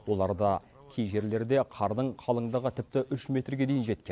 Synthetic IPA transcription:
wo̞lˠɑɾd̪ɑ | kʲʰejʒe̞ɾle̞ɾd̪e̞qʰɑɾd̪əɴqʰɑlˠəɴd̪ɑʁət̪ʰɪp̚t̪ɪʔʏʃme̞t̪rɡʲe̞d̪ejɪnʒe̞t̪kʲenn

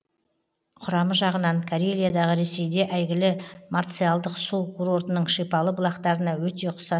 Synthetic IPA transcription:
qʰʊɾɑməʒɑʁənɑɴkʰaɾelʲijad̪ɑʁəɾe̞se̞jd̪e̞ʔæjɡʲɪlɪmart̪sɨjalˠd̪əqsukʰuɾo̞ɾt̪ənəɴʃepɑlˠəbʊlˠɑqt̪ɑɾənɑwɵt̪e̞qʰʊ̥sɑ

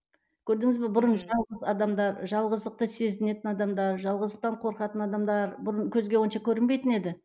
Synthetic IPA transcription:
kʲʰɵɾd̪ɪŋɪzbebʊɾənʒɑlˠʁəzɑd̪ɑmd̪ɑɾʒɑlˠʁəzd̪əq̚t̪əse̞zɪne̞t̪ɪnɑd̪ɑmd̪ɑɾʒɑlˠʁəzd̪əq̚t̪ɑɴqʰo̞ɾqɑt̪ənɑd̪ɑmd̪ɑɾbʊɾəɴkʲʰɵzɡʲe̞woʃɑkʲʰɵɾɪnbejt̪ɪne̞d̪ɪ

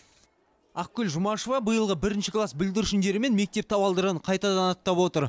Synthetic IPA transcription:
ɑq̚kʲʏlʒʊmɑʃovɑbəjəlˠʁəbɪɾɪnʃɪklˠɑsbɪld̪ɪɾʃɪnd̪e̞ɾɪme̞nme̞k̚t̪e̞p̚t̪ʰɑwɑlˠd̪əɾəɴqʰɑjt̪ɑd̪ɑnɑt̪ːɑpwo̞t̪əɾ

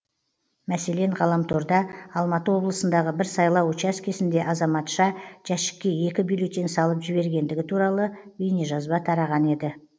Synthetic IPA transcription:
mæse̞le̞ɴʁɑlˠɑmt̪ʰo̞ɾd̪ɑɑlˠmɑt̪əwo̞blˠəsənd̪ɑʁəbɪɾsɑjlˠɑwt͡ʃɑskʲʰe̞sɪnd̪e̞ʔɑzɑmɑt̪ʃɑʒ̥æʃɪ̥kʲːe̞e̞kʲɪbilʲˠo̞t̪ːensɑlˠəpʒɪβe̞ɾɡʲe̞nd̪ɪɡʲɪt̪ʰuɾɑlˠəwejneʒɑzbɑt̪ʰɑɾɑʁɑne̞d̪ɪ

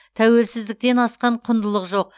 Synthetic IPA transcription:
t̪ʰæwe̞lsɪzd̪ɪk̚t̪e̞nɑsqɑɴqʰʊnd̪əlˠəqʒo̞q̚

